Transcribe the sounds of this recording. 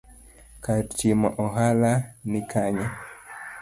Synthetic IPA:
kat͡ʃimaʔɔɦalanikʰaɲa

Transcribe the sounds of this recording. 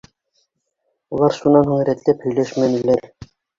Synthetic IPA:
ulˠɑɾʃunɑnhuŋɾæt̪læphɵ̆jlæʃmænɘ̆læɾ

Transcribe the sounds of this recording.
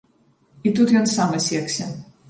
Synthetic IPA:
it̪ut̪jɔnsamɐsʲɛksʲɛ

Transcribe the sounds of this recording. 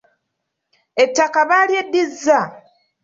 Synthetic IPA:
e̞tːakaβaljedːizːa

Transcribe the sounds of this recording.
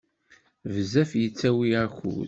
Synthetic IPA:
vəzæfjət͡sːæwiaçṵ

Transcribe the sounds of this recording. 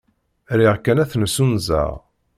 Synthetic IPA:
ɾiʁkːænæθnəsunzə̰ʁ

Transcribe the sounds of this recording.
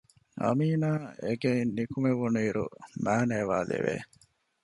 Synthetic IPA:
ɐ̰miːnaːʔeɡeinːikumeʋunuiːɾṵmæːneːʋaːlḛʋḛː

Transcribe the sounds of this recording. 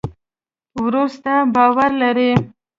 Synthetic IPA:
wɾust̪abɑwaɾlaɾe

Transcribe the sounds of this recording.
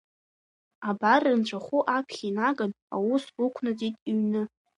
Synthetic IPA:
abarɨnʈ͡ʂʷʰʼaχuʔapʰχʲinaɡan | a̰wusukʷʰnɨd͡zitʼiɥnɨ

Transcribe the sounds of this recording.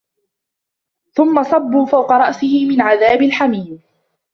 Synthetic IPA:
θʊmːɑsˤɑbːuːfawqɑɾˤɑʔsɪhɪmɪnʕaðaːbɪlħamiːm

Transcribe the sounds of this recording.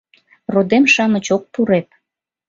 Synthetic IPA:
rod̪emʃɑmət͡ɕok̚puɾep̚

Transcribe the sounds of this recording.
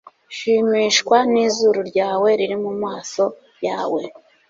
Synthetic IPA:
ʃimiːʃkwaniːzuɾuɾɟaːwe̞ɾiɾimumŋaːso̞ | jaːwe̞

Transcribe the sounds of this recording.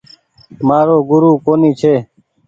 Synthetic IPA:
maːɾoːɡʊɾuːkoːniːt͡ʃʰeː

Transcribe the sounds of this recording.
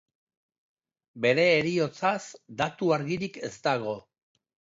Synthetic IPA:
be̞ɾe̞ːɾio̞t͡sasd̪at̪uaɾɣiɾike̞st̪aɣo̞

